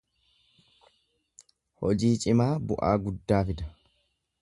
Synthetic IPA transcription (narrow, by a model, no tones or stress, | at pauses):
hɔd͡ʒiːt͡ʃʼɪmaːbʊʔa̰ːɡʊd̪ːaːfɪd̪ɐ